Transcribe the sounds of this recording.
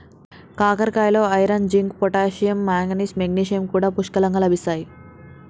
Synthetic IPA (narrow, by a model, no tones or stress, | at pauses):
kaːkɐɾkaːjlo̞ːɐjɾand͡ʒiŋkpɔʈaːʃijɐmːaːŋɡɐnismeɡniːʃijɐmkuːɽaːpuʂkɐlɐŋɡaːlɐbʱisaːji